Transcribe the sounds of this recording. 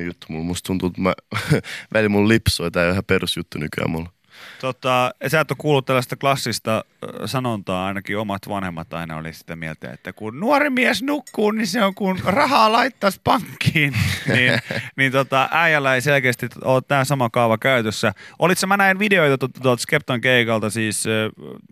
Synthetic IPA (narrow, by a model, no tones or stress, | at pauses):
jut̪ːumulmust̪unt̪ut̪mæ̰ | ʋælimullipsoit̪æːʋæhæperusjut̪ːunykyæ̰mul | t̪ot̪ɑsæˑt̪ːokuːlːut̪t̪ælːæst̪ɑklɑsːist̪ɑsɑnont̪ɑːɑinɑkiomɑt̪ʋɑnhemːɑt̪ɑ̰inɑ̰o̰lḭsi̥t̪æmiɛlt̪æ̰ḛt̪ːækunnuɔrimiɛsnukːuːniseoŋkunrɑhɑːlɑit̪ːɑspɑŋkːiːnniːnnint̪ot̪ɑʔæijælːæeiselkeːst̪iolt̪t̪æːsɑmɑkɑuʋɑkæyt̪øsːæʔolit̪sɑmænæinʋideoit̪ɑt̪ot̪ːɑt̪uɑlt̪skep̚t̪ɑŋkeikɑlt̪ɑsiːsø